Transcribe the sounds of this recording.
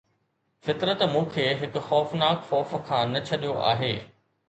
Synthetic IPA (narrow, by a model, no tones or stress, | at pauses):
fɪt̪ɾət̪mũːkʰeːɦɪkʊ̆xɔːfnaːkxɔːfkʰãːnɐt͡ɕʰɐɗijoʔa̰ːɦeː